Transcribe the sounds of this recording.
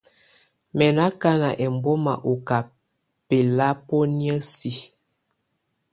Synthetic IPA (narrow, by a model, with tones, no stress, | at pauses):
mɛ˨na˦ka˦na˨ʔɛ˨mbɔ˦ma̰˨ʔo˨ka˨ | pe˨la˦po˦njə˦si˨